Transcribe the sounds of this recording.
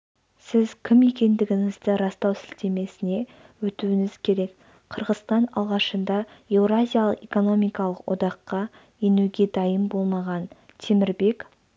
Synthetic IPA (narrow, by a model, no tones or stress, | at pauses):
sɪzkʲʰɪme̞kʲe̞nd̪ɪɡʲɪŋɪzd̪ɪɾɑst̪ɑwsɪlt̪e̞me̞sɪne̞ | wɵt̪uɪŋɪz̥kʲʰe̞ɾe̞k | qʰəɾʁəzst̪ɑnɑlˠʁɑʃənd̪ɑe̞vɾazʲijalˠəqe̞ko̞no̞mijkɑlˠəqwo̰d̪ɑqːɑ | jenuɡʲe̞d̪ɑjəmbo̞lˠmɑʁɑn | t̪ʰemɪɾbe̞k